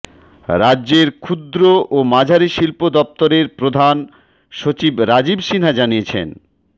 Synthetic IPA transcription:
ɾadːʑeɾkʰud̪ɾoʔomad͡ʑʱaɾiʃilpod̪ɔp̚t̪oɾeɾpɾod̪ʱan | ʃot͡ɕibɾad͡ʑibʃinad͡ʑaniet͡ɕʰḛn

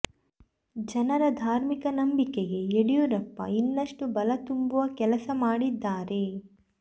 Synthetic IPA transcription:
d͡ʒɐnɐɾɐd̪ʱaːɾmikɐnɐmbikɛɡe̞eɽijuɾɐpːɐ̰inːɐʂʈubɐlɐt̪umbuʋɐkɛlɐsɐmaːɽid̪ːaːɾe̞

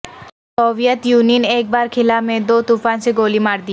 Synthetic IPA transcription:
sɔːʋijət̪juːnineːk̚baːɾkʰɪlamẽd̪oːt̪ufaːnseɡoːlimaːɾd̪i

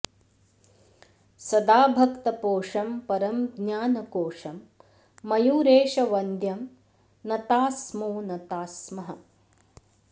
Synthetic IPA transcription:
sɐd̪aːbʱɐkt̪ɐpoːʂɐmpɐɾɐmɡɲaːnɐkoːʂɐmː | ɐjuːɾeːʃɐʋɐnd̪ʱjɐm | nɐt̪aːsmoːnɐt̪aːsmɐɦɐ

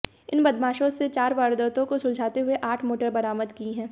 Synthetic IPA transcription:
ɪnbɐd̪maːʃõset͡ʃaːɾʋaːɾd̪ət̪õkosʊ̃ld͡ʒʱaːt̪eɦʊeʔaːʈʰmoːʈəɾbɐɾaːməd̪kiːɦɛ̃ː

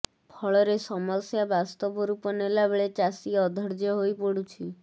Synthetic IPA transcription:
pʰɔɭɔɾesɔmɔɾsjabast̪ɔbɔɾupɔnelabeɭet͡ʃasiɔd̪ʱɔɾd͡ʒjɔɦojpɔɽut͡ʃʰi

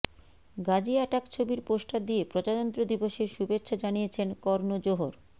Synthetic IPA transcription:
ɡad͡ʑiɛʈakt͡ɕʰobiɾpoʃʈʰad̪iepɾot͡ɕad̪ɔnt̪ɾod̪iboʃeɾʃubetːɕʰod͡ʑanijet͡ɕʰenkɔɾnod͡ʑoɦoɾ

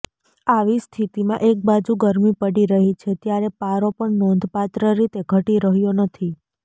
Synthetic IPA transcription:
aʋist̪ʰit̪imãʔek̚bad͡ʒuɡəɾmipəɽiɾəɦit͡ʃʰet̪jaɾepaɾopəɳnond̪ʱpat̪ɾəɾit̪eɡʱəʈiɾəɦjonət̪ʰi

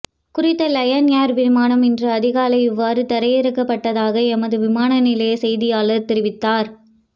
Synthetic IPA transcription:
kʊɾɪt̪ːɐlɐjɐnjaːɾʋɪɾmaːnɐmɪndrɐːðɪɣaːlɐɪɪʋːaːɾɯt̪ɐɾɐjɪɾɯkːɐpːɐʈːɐðaːɣɐɛmɐðɯʋɪmaːnɐnɪlɐjsɛjðɪjaːlɐɾt̪ɪɾɪʋɪt̪ːaːɾ

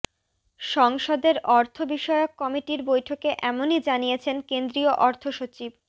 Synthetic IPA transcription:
ʃɔŋʃod̪eɾɔɾt̪ʰobiʃɔeokːɔmiʈiɾbojʈʰokeʔɛmonid͡ʑaniet͡ɕʰenkend̪ɾioʔɔɾt̪ʰoʃot͡ɕib

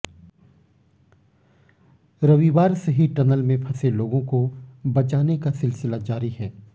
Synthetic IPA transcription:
ɾɐʋiʋaːɾseɦiʈɐnəlmẽpʰɐseloːɡõkobɐt͡ʃaːnekasɪlsɪlad͡ʒaːɾiɦɛː

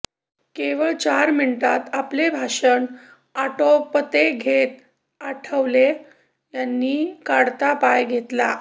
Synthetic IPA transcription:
keʋəɭt͡ɕaɾminʈat̪aplebʱaʂəɳ | aʈopət̪eɡʱet̪̚ | aʈʰəʋle | janːiːkaɽt̪apajɡʱet̪la

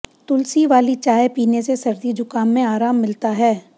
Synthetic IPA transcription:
t̪ʊlsiʋaːlit͡ʃaːepiːnesesɐɾd̪id͡ʒʊkaːnːẽaːɾaːmːɪlt̪aɦɛː

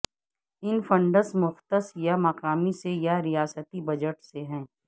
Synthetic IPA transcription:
ɪnfɐ̃ɳɖəɾsmʊxt̪əsjamɐqaːmisejaɾijaːsət̪ibɐd͡ʒəʈseɦɛ̃ː

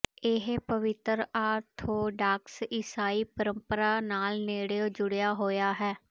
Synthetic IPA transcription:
ɪɦpəʋɪt̪ɾaːt̪oːɖaːksɪsaːiːpəɾə̃mpəɾaːnaːlneːɽeoːd͡ʒʊɽjaːɦoːjaːɦɛː

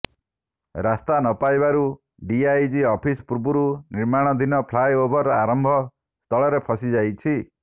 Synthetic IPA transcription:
ɾast̪anɔpajbaɾu | ɖiajd͡ʒiɔpʰispuɾbuɾuniɾmaɽ̃ɔd̪ʱinɔpʰlajobʱɔɾaɾɔmbʱɔ | st̪ʰɔɭɔɾepʰɔsid͡ʒajt͡ʃʰi

